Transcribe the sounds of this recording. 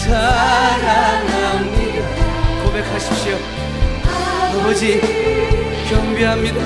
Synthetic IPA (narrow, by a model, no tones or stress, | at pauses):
sʰaɾanamɲi | kobekʰaɕʰi̥p̚ɕio | nobod͡ʑi | kjʌmbiɦamɲid̪a